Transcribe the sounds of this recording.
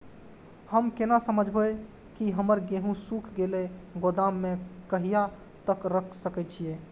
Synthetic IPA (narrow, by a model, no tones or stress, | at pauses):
həmkenasəməd͡ʒʱbəj | kiɦəməɾɡeɦũsukʰɡeleɡod̪amːekəɦija | t̪əkɾəkʰsəkɛt͡ʃʰije